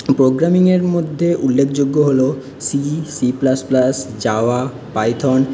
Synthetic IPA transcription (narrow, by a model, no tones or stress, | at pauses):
pɾoɡɾamiŋeɾmod̪ʱːeʔulːekʰd͡ʑoɡːoɦolo | sisiplasplasd͡ʑaoa | pajt̪ʰɔn